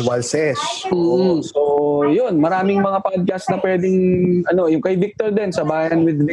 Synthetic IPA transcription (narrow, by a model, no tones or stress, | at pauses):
walsɛsm̩ːsojonmɐɾaːmɪŋmɐŋapad̪̚kɐsnɐpwɛːd̪ɪŋʔɐno̞jʊŋkɐjbɪk̚t̪oɹd̪ɛnsɐbaːjɐnwɪd̪vɪ